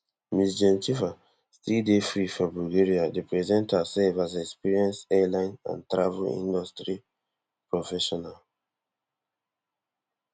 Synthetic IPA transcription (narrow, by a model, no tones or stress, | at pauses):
misd͡ʒɛ̃nt͡ʃifa | stildefɹifɔbulɡeɹiadepɹɛzɛ̃ntasɛlvazɛkspiɹiɛ̃nsɛlãɪ̃nã̰ntɹavulḭ̃ndɔstɹi | pɹɔfɛʃɔnal